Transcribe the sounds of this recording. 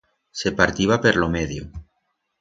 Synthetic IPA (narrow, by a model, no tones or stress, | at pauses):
sepaɾt̪iβapeɾlomeðjo